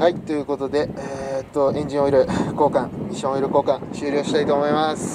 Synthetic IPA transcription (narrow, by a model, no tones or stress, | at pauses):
hait̪ːo̞jɯ̟ko̞t̪o̞d̪e̞et̪ːo̞ẽ̞ɲ̟d͡ʑĩo̞iɾɯ̟ko̞ːkãŋɲiɕːõoiɾɯ̟ko̞ːkãɕɨːɾʲo̞ːɕi̥t̪ait̪o̞ːmo̞imasɨ̥